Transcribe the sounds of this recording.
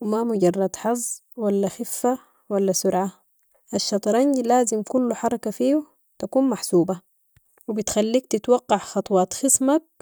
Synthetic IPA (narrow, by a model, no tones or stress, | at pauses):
wimamʊɟɑrˤːɑd̪ħɑzˤːwalːaxɪfːa | walːasʊɾʕa | ʔaʃːɑt̪ˤɑɾˤɑnɟilaːzimkulːuħɑɾˤɑkafiːu | t̪akuːnmaħsuːba | wibit̪xalːiːkt̪it̪wɑqːɑʕxɑt̪ˤwɑːt̪xɪsmak̚